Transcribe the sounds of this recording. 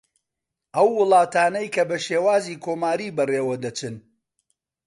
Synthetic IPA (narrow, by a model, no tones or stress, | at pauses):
ʔɐwːɨlˠɑːt̪aːnɐjkɐbɐʃeːwaːziːkʰoːmaːɾiːbɐreːwɐd̪ɐt͡ʃɨn